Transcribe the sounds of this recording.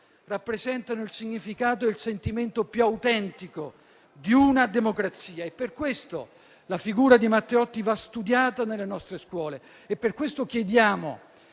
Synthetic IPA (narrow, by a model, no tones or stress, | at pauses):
rapːɾezɛnt̪anoilsiɲːifikaːt̪oilsent̪iment̪opjuawt̪ɛnt̪iko | d̪iunad̪emokɾat̪sːiːaepːerkwest̪o̰ | lafiɡuːɾad̪imat̪ːeɔt̪ːivast̪ud̪jaːt̪anelːenɔst̪ɾeskwɔːleː | pːerkwest̪okjed̪jaːmo̰